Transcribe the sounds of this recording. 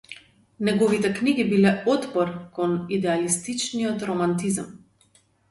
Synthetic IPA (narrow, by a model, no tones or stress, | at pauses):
nɛɡɔvit̪ɛkniɡibilɛɔt̪pɔɾkɔnid̪ɛalist̪it͡ʃniɔt̪ɾɔmant̪izm